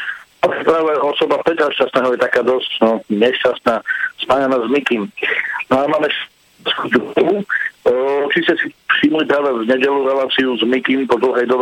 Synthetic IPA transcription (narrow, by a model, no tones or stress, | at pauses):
ɔkɛpɾaːʋɛɔsɔbapɾɛt̪ɾasʃt͡ʃast̪nɛːɦɔjɛt̪akaːd̪ɔscɔɲɛʃcast̪naːspaɲɛnaːzmikimnamaːmɛʃ | skud̪u | t͡ʃiscɛsifʃiːmlipɾaːʋɛvɲɛɟɛluɾɛlaːt͡siuzmikimpɔd̪l̩ˠɦɛjd̪ɔb